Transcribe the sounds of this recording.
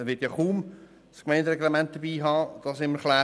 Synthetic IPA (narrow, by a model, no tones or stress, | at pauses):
ɛʋɪtjaχuːm | skmɛɪndɾɛɡlemænt̚d̥əbiːɦɑːd̪̥ɑsɪmːəɾχlæː